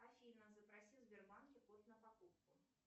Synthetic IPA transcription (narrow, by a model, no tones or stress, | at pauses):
afʲinɐzɐpɾasʲizʲbʲɛrmankʲɪpɔst̪ʲnɐpakupkʊ